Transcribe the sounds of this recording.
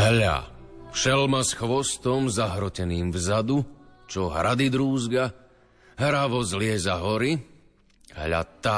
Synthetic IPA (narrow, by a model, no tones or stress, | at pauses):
ɦʎa̰fʃɛlmasxʋɔst̪ɔmzaɦɾɔcɛniːmvzad̪ut͡ʃɔɦɾad̪id̪ɾuːzɡa | ɦɾaʋɔzlɪɛzaɦɔɾi | ɦʎa̰t̪a